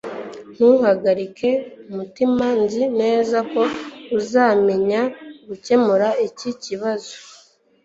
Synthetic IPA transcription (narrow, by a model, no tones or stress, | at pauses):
n̥uhaɡaɾikʰe̞umutimanzine̞ːzako̞uzaːme̞ɲaɡuce̞muɾaeciciβazo̞